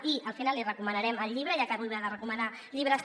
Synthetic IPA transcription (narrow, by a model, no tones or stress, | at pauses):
iəlˠfinalirəkumənəɾɛməlˠʎiβɾəjakat̪uliβaðərəkuməna | ʎiβ̞ɾəs